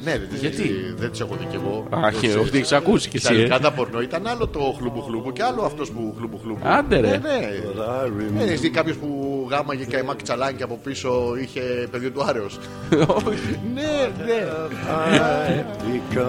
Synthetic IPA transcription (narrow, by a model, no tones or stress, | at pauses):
ne̞ðet̪izʝɐt̪iðed̪iseɣot̪iceɣo̞açioft̪ieçe̥sɐkusi̥cest̪ɐlikɐðɐpo̞ɾno̞it̪ɐnɐlo̞t̪o̞xlubuxlubuceɐloɐft̪o̞spuxlubuxlubuɐnd̪eɾeneɾavineest̪ikɐpço̞spuɣɐmːɐʝekɐimɐkt͡sɐlɐɲceɐpo̞piso̞içe̞peðjot̪uɐɾe̞os | nene | ik